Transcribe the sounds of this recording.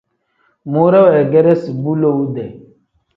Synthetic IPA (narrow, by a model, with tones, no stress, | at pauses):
mo˦ɾɛ˦wɛ˨ɡɛ˦ɾɛ˦si˨bu˦lo˦u˦dɛ˨